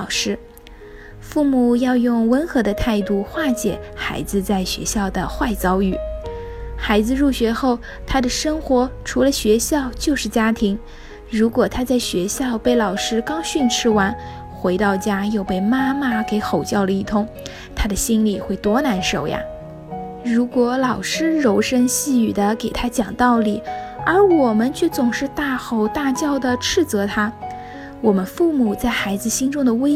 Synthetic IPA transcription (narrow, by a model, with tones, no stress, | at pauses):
ʊʂɻ̩˥ | fu˥˩mu˨˩jɑ˥˧ʊjʊ˥˩ŋwə˧˥nxɤ˧˥d̪ə˧t̪ʰa˥˧ɪt̪u˥˩xwa˥˩t͡ɕjɛ̰˨˩˦xa˧˥ɪd͡zɹ̩˧t͡sa˥˩ɪɕɥɛ̰˧˥ɕjɑ˥˩ʊd̪ə˩xwa˥˩ɪt͡sɑ˥ʊy˥˩ | xa˧˥ɪd͡zɹ̩˧ɻu˥˩ɕɥɛ˧˥xo˥˩ʊ | t̪ʰa˥d̪ə˨ʂɤ˥ŋxwɔ˧˥ʈ͡ʂʰu˧˥lə˧ɕɥɛ˧˥ɕjɑ˥˧ʊt͡ɕjo˥˧ʊʂɻ̩˥˩t͡ɕja˥t̪ʰi˧˥ŋ | ɻu˧˥kwɔ˨˩t̪ʰa˥t͡sa˥˩ɪɕɥɛ˧˥ɕjɑ˥˧ʊpe˥˩ɪlɑ˨˩ʊʂɻ̩˥kɑ˥ʊɕy˥˧nʈ͡ʂʰɻ̩˥wa˧˥n | xwe˧˥ɪt̪ɑ˥˩ʊt͡ɕja˥jo˥˧ʊpe˥˩ɪma˥ma˨ke˧˥ɪxo˨˩ʊt͡ɕjɑ˥˩ʊlə˩i˥˩t̪ʰʊ˥ŋ | t̪ʰa˥d̪ə˨ɕi˥nli˨˩xwe˥˩ɪt̪wɔ˥na˧˥nʂo˨˩ʊja̰˧˩ | ɻu˧˥kwɔ˧˥lɑ˨˩ʊʂɻ̩˥ɻo˧˥ʊʂə˥nɕi˥˩y˨˩d̪ə˦ke˨˩ɪt̪ʰa˥t͡ɕjɑ˨˩ŋt̪ɑ˥˩ʊli˨˩˦ə˞˧˥wɔ˨˩mə˦nt͡ɕʰɥɛ˥˩t͡sʊ˨˩ŋʂɻ̩˥˧t̪a˥˩xo˧˥ʊt̪a˥˧t͡ɕjɑ˥˩ʊd̪ə˩ʈ͡ʂʰɻ̩˥˩t͡sɤ˧˥t̪ʰa˥ | wɔ˨˩mə˦nfu˥˩mu˨˩t͡sa˥˩ɪxa˧˥ɪd͡zɹ̩˧ɕi˥nʈ͡ʂʊ˥ŋd̪ə˨we˥